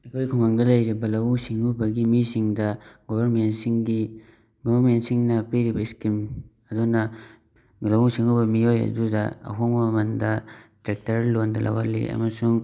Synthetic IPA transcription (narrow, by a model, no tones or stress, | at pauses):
ɐkʰojkʰoŋaŋdɐlɐjɾibɐlɐwusiŋubɐɡimisiŋdɐɡobʱɐɾmentsiŋɡi | ɡobɐɾmentsiŋnɐpeɾibɐiskim | ɐdunɐ | lɐwusiŋubɐmiojɐ̰dudɐɐ̰ɦoŋmɐmɐmɐndɐtɾek̚tɐɾlondɐlʔɐ̰walḭɐ̰mɐsuŋ